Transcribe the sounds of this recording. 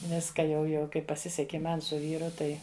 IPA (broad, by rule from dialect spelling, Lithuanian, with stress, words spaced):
ˈʋʲɪskɐ jɛʊ jɛʊ ˈkɐɪp pɐˈsʲɪsʲɛkʲɪ ˈmɐn sʊ ˈʋʲiːrʊ ˈtɐɪ